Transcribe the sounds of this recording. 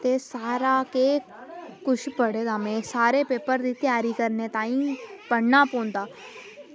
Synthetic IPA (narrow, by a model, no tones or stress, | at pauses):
t̪esaːɾakeː | kʊt͡ʃʰpəɽeːd̪aːmɛ̃ːsaːɾepeːpəɾd̪iːt̪jaːɾikəɾnet̪aːĩːpəɽ̤naːpõːnt̪aː